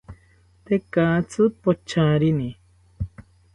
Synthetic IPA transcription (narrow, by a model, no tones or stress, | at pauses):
t̪ekat͡sut̪̚pot͡ʃʰãːɾini